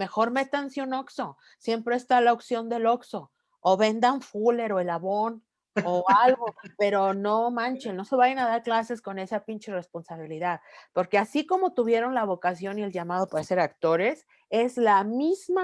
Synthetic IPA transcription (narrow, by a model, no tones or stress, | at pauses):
me̞xo̞ɾme̞t̪ansjuno̞kso̞ | sje̞mpɾe̞ːst̪alaoksjo̞nd̪e̞lo̞kso̞ː | βe̞nd̪aɱfule̞ɾo̞e̞laβo̞n | oalɣo̞pe̞ɾo̞nomãnt͡ʃelno̞se̞βajenað̞aɾklase̞sko̞ne̞sapint͡ʃere̞spo̞nsaβ̞iliðaðpo̞ɾke̞asiko̞mo̞t̪uβje̞ɾo̞nlaβo̞kasjo̞nie̞lʝamað̞o̞paɾase̞ɾakt̪o̞ɾe̞s | e̞zlamizma